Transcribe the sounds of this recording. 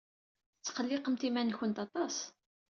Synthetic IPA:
ət͡sːqəlːɪqəmt̪imænçənt̪ɑt̪ˤɑs

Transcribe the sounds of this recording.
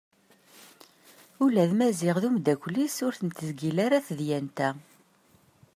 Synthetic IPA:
ulæðmæzɪʁðumd̪ækʷlisʊɾθənt̪əzɡilaɾaθðjænt̪æ

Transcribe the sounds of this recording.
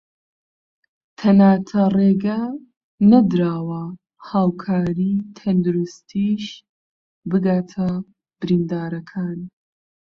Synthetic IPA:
t̪ʰɐnaːt̪ʰɐreːɡɐ | nɐd̪ɾaːwɐ | haːwkʰaːɾit̪ʰɐnd̪uɾust̪ʰiʃ | bɨɡaːt̪ʰɐ | b̥ɨɾiːnd̪aːɾɐkʰaːn

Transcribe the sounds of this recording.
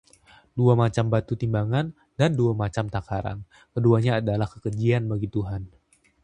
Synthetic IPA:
duamat͡ʃambat̪ut̪imbaŋan | danduamat͡ʃamt̪akaɾa̰n | kəduaɲaːdalahkəkərd͡ʒianbaɡit̪uɦan

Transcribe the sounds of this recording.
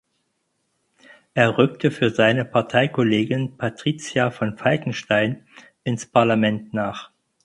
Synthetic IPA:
ʔeːɐʁʏktʰəfyːɐzaɪnəpʰaɐtʰaɪkʰoleːɡɪnpʰatʁ̥iːt͡sjafɔnfalkŋ̩ʃtaɪn | ɪnspʰaɐlamɛntnaːχ

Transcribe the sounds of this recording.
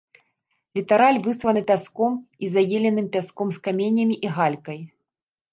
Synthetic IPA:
lʲit̪aɾalʲvɨsvɐnɨpʲaskɔmizajelʲɛnɨmpʲaskɔmskamʲenʲɐmʲiʔiɣalʲkɐj

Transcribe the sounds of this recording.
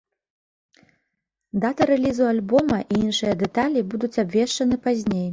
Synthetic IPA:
d̪at̪ɐɾɛlʲizualʲbɔmɐʔiinʂɨjɐd̪ɛt̪alʲibud̪ut͡sʲabʲvʲɛʂt͡ʂɐnɨpazʲnʲej

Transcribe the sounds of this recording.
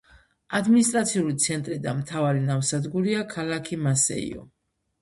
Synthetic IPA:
ad̪minist̪ʼɾat̪sʰiulit̪sʰɛnt̪ʼɾid̪amt̪ʰavaɾinamsad̪ɡuɾiakʰalakʰimasɛ̰ḭɔ̰

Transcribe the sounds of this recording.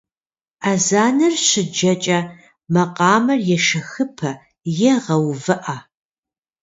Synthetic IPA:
azaːnɐrɕɪd͡ʒɐt͡ʃʼɐ | mɐqʼɑːmɐrjɛʃɐxɨpʰɐ | jɛʁɐwvɨʔa

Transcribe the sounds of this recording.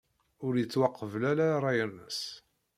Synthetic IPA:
ʊɾjət͡sːwɑqːəvlælaɾˤɑjənːəs

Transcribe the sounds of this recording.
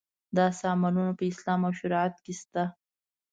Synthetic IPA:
d̪ɑsamalunopəɪslɑmawʃʊɾɑat̪kest̪a

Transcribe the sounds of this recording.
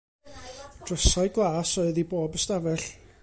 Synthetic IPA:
d̥rəsaɨɡlˠaːsɔɨðiboːbəstavɛɬ

